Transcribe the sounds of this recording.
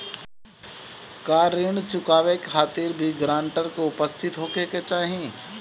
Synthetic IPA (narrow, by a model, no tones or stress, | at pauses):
kaːɾɪɳt͡ʃʊkaːʋekxaːt̪iɾbʱiɡɾãːɳʈəɾkoʊpəst̪ʰɪt̪ɦoːkeket͡ʃaːɦiẽ